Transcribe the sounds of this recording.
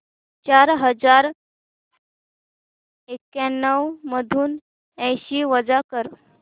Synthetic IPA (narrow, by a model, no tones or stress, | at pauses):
t͡ɕaɾɦəd͡zaɾ | ekjanːəwməd̪ʱuːn | ɛ̃jɕiːʋəd͡zakəɾ